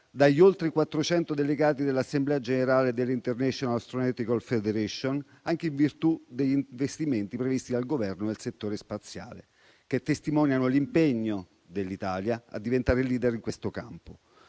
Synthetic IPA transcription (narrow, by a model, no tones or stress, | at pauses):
d̪aʎːolt̪ɾikwat̪ːɾot͡ʃɛnt̪od̪eleɡaːt̪id̪elːasːemblɛːad͡ʒeneɾaːled̪elːint̪ernɛʃonalst̪ɾonɛt̪ikalfed̪eɾɛʃon | aŋk̟eiɱvirt̪ud̪eʎːinɱvest̪iment̪ipɾevist̪id̪alɡovɛrnod̪elset̪ːoːɾespat̪sːja̰ːlḛ | k̟et̪ːest̪imɔːnjanolimpeɲːo | d̪elːit̪aːljaa̰d̪ːivent̪aːɾeliːd̪eɾiŋkwest̪okampo